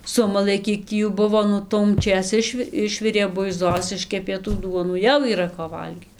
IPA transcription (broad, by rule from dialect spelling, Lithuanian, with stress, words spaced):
ˈsʊmɐlˠɘ ˈkʲiɛk tʲiː ˈjuː ˈbʊʋoː ˈnʊ tuɔmʲˈt͡ʃʲeːs ˈɪʃʲʋʲɪ ˈɪʃʲʋʲɪrʲeː bʊɪˈzoːs ˈɪʃʲkʲɛpʲeː tuː ˈduɔnuː ˈjɛʊ iːˈrɐ koː ˈʋɐlʲɡʲiːt